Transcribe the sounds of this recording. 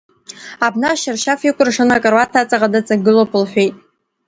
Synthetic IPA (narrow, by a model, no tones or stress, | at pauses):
abnaʃɪrʃafikʷʰʼʊrʂanɨakʼarwatʰat͡sʼaʁadat͡sʼaɡɨlopʰɨlħʷᶣejtʼ